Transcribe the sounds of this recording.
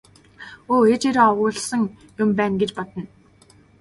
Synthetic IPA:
oːxet͡ɕeɾɔʁʊːɮsə̆ŋ | jʊmpæːnɡet͡ɕpɔt̪ə̆n

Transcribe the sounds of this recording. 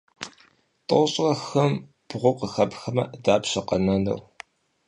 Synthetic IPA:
tʼoɕʼrɐxɐm | b̥ʁʷʊqəxɐpxɐmɐ̰daːpɕɐqɐnɐnɐ̰w

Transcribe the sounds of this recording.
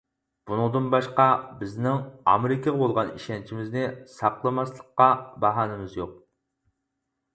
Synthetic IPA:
b̥unɨŋd̪ɨnbɑʃqɑbɪznɪŋɑ̰meɾɪkʰəʁəbolˠʁɑniʃɛnt͡ʃʰimɪznɪsɑqlˠɨmɑslˠəqːɑbɑɦɑːnɨmɨzjoq̚

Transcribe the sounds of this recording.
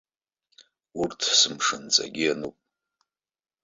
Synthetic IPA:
urtʰsɨmʂɨnt͡sʼa̰ɡʲianɨpʼ

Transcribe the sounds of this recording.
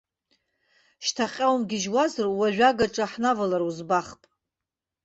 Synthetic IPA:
ʃtʰaqʲʼawmɡʲɪʒwazɨrwaʒʷᶣaɡaʈ͡ʂʷʼaħnavalaruzbaχpʼ

